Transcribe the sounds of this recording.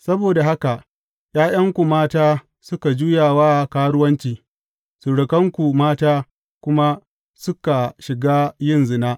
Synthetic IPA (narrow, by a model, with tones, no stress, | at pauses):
sɐ˦boː˨da˨ha˦ka˨ | j̰aː˦j̰ɐ˦ŋkʷu˨maː˦taː˦ | sʊ˦ka˨d͡ʒuː˦jaː˨waː˦˨kaː˦ɽʊ˦wɐ˦nt͡ʃiː˨ | su˨ɽɪ˨kɐ˦ŋkʷu˨maː˦taː˦ | kʷʊ˦ma˦ | sʊ˦ka˨ʃɪ˨ɡaː˦jɪ˦nzɪ˨naː˦ʔ